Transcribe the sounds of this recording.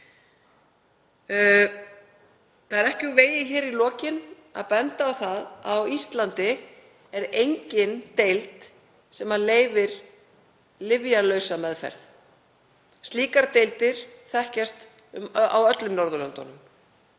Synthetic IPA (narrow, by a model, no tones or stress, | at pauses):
θaðɛɾɛhcɪuveːjɪçɛːɾilɔːcɪn | a̰ðpɛnt̪aːwθaðawist̪lant̪ɪ | ɛɾejɲcɪnt̪ejlt̪ | sɛmaleːjvɪɾ̥ | lɪvjalœɥsamɛðfɛ̰ɾθ | st̪liːkaɾt̪ejlt̪ɪɾ̥θɛhcast̪ | ʏma̰wœt̪lʏmnɔɾðʏlœnt̪ɔ̰nʏm